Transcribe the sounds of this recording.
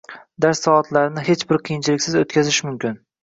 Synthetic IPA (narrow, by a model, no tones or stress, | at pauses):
d̪aɾsːɒat̪laɾnɪɦe̞t͡ʃbɪɾqʰɨjɪnt͡ʃʰɪlɪkʲsɪzot̪kʲazɪʃmʊmkʲɪn